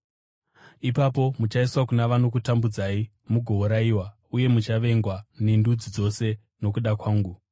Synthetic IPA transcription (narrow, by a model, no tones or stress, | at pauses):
ipapo̞mut͡ʃaiswakunaʋano̞kutambud͡zai | muɡʱo̞uɾaiwa | uje̞mut͡ʃaʋe̞ŋɡwanindud͡zid͡zo̞se̞ | no̞k̬uɗakwaːŋɡu